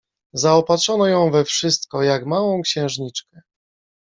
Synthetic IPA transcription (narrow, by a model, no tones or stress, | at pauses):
zaɔpatʂɔnɔjɔ̃w̃vɛfʂɘst̪kɔjakmawɔ̃w̃kɕɛ̃w̃ʐɲit͡ʂkɛ